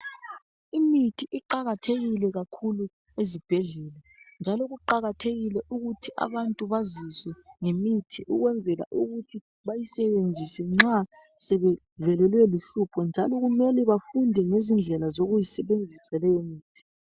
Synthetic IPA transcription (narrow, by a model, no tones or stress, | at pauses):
imitʰiʔiǃaɣatʰeɣilɛɣakʰulu | ezib̥ʱɛɮɛːla | nd͡ʒʱalɔɣuǃaɣatʰeɣilɛʔuɣutʰiʔa̰βantʼuβaziswɛŋemitʰiʔuɣwɛnd͡zʱɛla̰ʔuɣutʰi | βajisɛβend͡zʱisɛŋ͡ǁa | sɛβɛ | vɛlɛlwɛliɬupʰɔnd͡ʒʱalɔɣumɛlɛβafundʱɛŋezind͡ɮʱɛlazoɣujisɛβend͡zʱisalɛjomiːtʰi̥